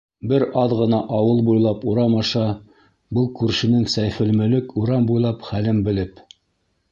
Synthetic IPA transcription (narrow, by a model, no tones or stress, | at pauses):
bɘɾɑðʁɤ̆nɑʔɑwɤlˠbujlˠɑpuɾɑmɑʃɑ | bɤlˠkʉɾʃɘ̆nɘŋsæjfɘ̆lmɘ̆lɘkuɾɑmbujlˠɑpχælɘmbɘ̆lɘp